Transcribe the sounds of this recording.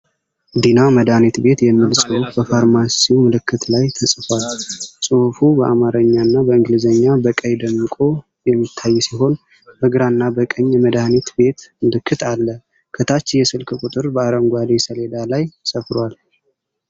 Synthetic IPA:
d̪inaməd̪anit̪be̞t̪jɛmːilsʼɨhufbəfaɾmasiwmɨlɨkːɨt̪lajt̪ʰəsʼfwalsʼɨhfubəʔamaɾəɲːanːabəɨŋɡlizəɲːabəkʼəjd̪əmːɨkʼo̞ | jɛmːit̪ʰːajːsiɦo̞n | bəɡɨɾanːabəkʼəɲːməd̪anit̪be̞t̪mɨlɨkʰːɨt̪ʰalːə | kʰət̪ʰat͡ʃːjɛsɨlkʰʼɨkʼut̪ʼɨɾbəaɾəmɡʷad̪esəled̪alajsʼəfɾwal

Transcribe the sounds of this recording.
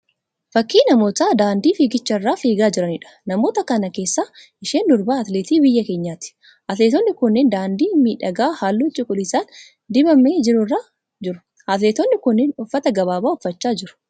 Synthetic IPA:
fɐkːiːnɐmo̞ːt̪aːd̪aːnd̪iːfiːɡɪt͡ʃːɐɪrːaːfiːɡaːd͡ʒɪɾɐnɪᶑɐ̥nɐmo̞ːt̪ɐkɐnɐke̞ːsːaːʔɪʃeːnd̪ʊɾbaːɐt̪leːt̪iːbɪjːɐke̞ːɲːaːt̪ɪ̥ | ʔɐt̪leːt̪ɔnːɪkʊnːeːnd̪aːnd̪iːmiːᶑɐɡaːhaːlːuːt͡ʃʼɪkʼʊlɪsaːn | d̪ɪbɐmeːd͡ʒɪɾʊrːaː | d͡ʒɪɾʊ̥ | hɐt̪leːt̪ɔnːɪkʊnːeːnʊfːɐt̪ɐɡɐβaːbaːʊfːɐt͡ʃːaːd͡ʒɪɾʊ̥

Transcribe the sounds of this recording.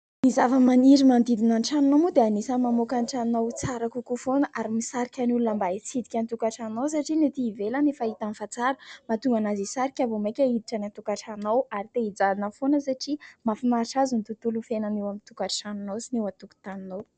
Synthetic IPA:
mizavəmaniɾimand̪id̪inanʈ͡ʂanunamud̪eanisamamokanʈ͡ʂannawt͡saɾakukufonəʔaɾimisaɾikʲanulunambait͡sid̪ikʲant̪ukaʈ͡ʂanaws̬aʈ͡ʂinet̪iːvelanefait̪anfat͡saɾəmat̪uŋɡanazisaɾikʲavomekʲəid̪iʈ͡ʂanant̪ukaʈ͡ʂanawaɾit̪eid͡zalinəfonəsaʈ͡ʂimafinaɾʈ͡ʂazunit̪ut̪ulufenanewamint̪ukaʈ͡ʂanunowsinewat̪uku̥t̪aninow

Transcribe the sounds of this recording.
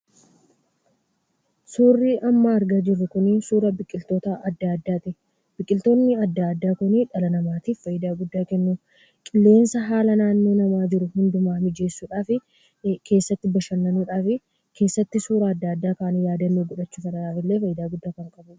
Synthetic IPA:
suːrːiːʔɐmːɐːɾɡaːd͡ʒɪrːʊkʊnɪnsuːɾɐbɪkʼːɪlt̪o̞ːt̪ɐʔɐd̪ːaɐd̪ːaːt̪ɪ | bɪkʼːɪlt̪o̞ːnːɪɐd̪ːaːd̪ːaːkʊnɪᶑɐlɐnɐmaːt̪iːffɐjɪd̪aːɡʊd̪ːaːkɛnːu | kʼɪlːe̞ːnsɐɦaːlɐnaːnːo̞ːnɐmaːd͡ʒɪɾʊhʊnd̪ʊmaːmɪd͡ʒe̞ːsːuːᶑaːfɪ | kʰe̞ːsːɐt̪ːɪbɐʃɐnːɐnuːᶑaːfɪ | kʰe̞ːsːɐt̪ːɪsuːɾɐːd̪ːaːd̪ːaːkaːnɪjaːd̪ɐnːeːɡʊᶑɐt͡ʃːuːfɐᶑɐᶑaːfɪlːe̞ːfɐjɪd̪aːɡʊd̪ːaːkɐŋkʼɐbʊ

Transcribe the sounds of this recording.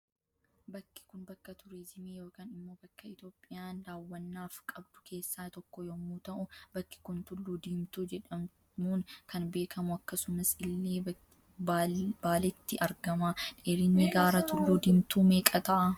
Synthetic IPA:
bɐkːɪ̥kʊnbɐkːɐt̪ʊɾed͡ʒɪneːjoːkaːnɪmːo̞ːbɐkːɐɪt̪joːpʼːɪjaːnd̪aːwːɐnːaːfkʼɐbd̪ʊ̥kʰe̞ːsːaːt̪ɔkːɔjɔmuːt̪ɐʔʊbɐkːɪ̥kʊnt̪ʊlːuːd̪iːmt̪uːd͡ʒɛᶑɐm | muːŋkʰɐnbe̞ːkʰɐmʊɐkːɐsʊmɐsɪlːeː | baːlɛt̪ːɪʔɐɾɡɐmaᶑeːɾɪnːɪɡaːɾɐt̪ʊlːuːd̪ɪmt̪uːmeːkʼɐt̪ɐʔɐ

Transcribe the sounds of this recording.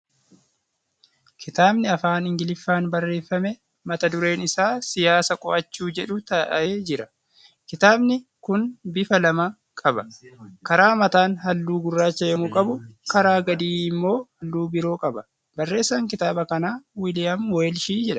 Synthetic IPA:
kʰɪt̪aːbnɪɐfaːnɪŋɡɪlɪfːaːnbɐrːe̞ːfːɐmɛ | mɐt̪ɐd̪ʊɾe̞ːnɪsaːsɪjaːsɐkʼɔʔɐt͡ʃːuːd͡ʒɛᶑʊt̪ɐʔɐ̰ʔeːd͡ʒɪɾɐ | kɪt̪aːbnɪkʊnbɪfɐlɐmɐ | kʼɐbɐkɐɾaːmɐt̪aːnɦɐlːuːɡʊrːaːt͡ʃːɐjɐmʊkʼɐbʊkɐɾaːɡɐd̪iːɪmːo̞ːhɐlːuːbɪɾo̞ːkʼɐbɐ | bɐrːe̞ːsːaːŋkɪt̪aːbɐkɐnaːwɪlɪjɐmweːlʃiːd͡ʒɛᶑɐ̥

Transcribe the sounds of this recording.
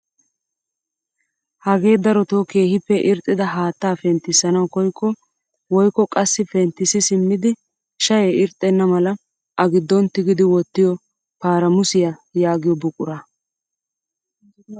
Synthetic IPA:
hɐɡe̞ːd̪ɐɾɔt̪oːke̞ːhɪpːɛʔɪɾt̪ʼːɪd̪ɐɦaːt̪ːaːfɛnt̪ːɪsːɐnɐwkɔjkʰːɔ | wɔjkːɔkʼɐsːɪfɛnt̪ːɪsɪsɪmːɪd̪ɪ | ʃɐjeɪɾt̪ʼːɛnːɐmɐlɐ | ʔɐɡɪd̪ːɔnt̪ːɪɡɪd̪ɪwɔt̪ːɪjɔ | paːɾɐmʊsɪjɐjaːɡɪjɔbʊkʼʊɾɐ

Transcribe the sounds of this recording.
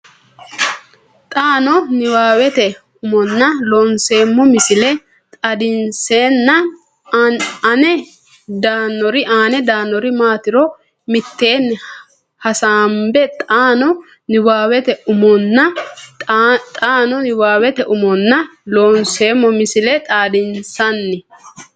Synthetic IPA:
t̪ʼaːnɔnɪwaːwɛt̪ɛ | ʊmɔnːɐloːnse̞ːmːɔmɪsɪlɛ | t̪ʼɐd̪ɪnseːnːɐ | ɐnɛ | d̪aːnːɔɾɪʔaːnɛd̪aːnːɔɾɪmaːt̪ɪɾɔ | mɪt̪ːe̞ːnː | hɐsaːmbɛt̪ʼaːnɔ | nɪwaːwɛt̪ɛʊmɔnːɐ | t̪ʼaːnɔnɪwaːwɛt̪ɛʔʊmɔnːɐloːnse̞ːmːɔmɪsɪlɛt̪ʼaːd̪ɪnsɐnːɪ

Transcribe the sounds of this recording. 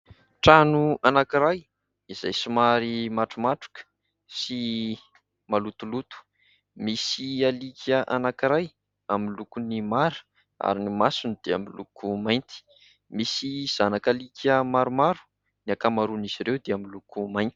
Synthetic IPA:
ʈ͡ʂanuanakiɾaj | iz̥ajsumaɾimaʈ͡ʂumaʈ͡ʂu̥kə̥ | si | malut̪ulut̪u̥ | misialikʰʲəʔanakiɾaj | amilukunimaɾu̥ | a̰ɾinimasunid̪̥ea̰milukʰumajnt̪i̥ | misiz̥anakalikəmaɾumaɾu̥ | niakamaɾuniziɾewd̪eamilukumajnt̪i̥

